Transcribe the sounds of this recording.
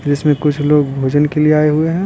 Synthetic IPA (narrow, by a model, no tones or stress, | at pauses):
d͡ʒɪsmẽkʊt͡ʃʰloːɡbʱoːd͡ʒənkelieaːeɦueɦɛ̃ː